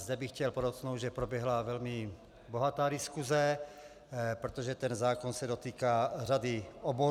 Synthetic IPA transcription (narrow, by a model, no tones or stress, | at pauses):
zd̪ɛbixcɛlpoɾosnow̪ʒɛpɾobjɛɦlavɛlmi | boɦat̪aːdiskuzɛ | pɾot̪oʒɛt̪ɛnzaːkonsɛdot̪iːkaradiɔbo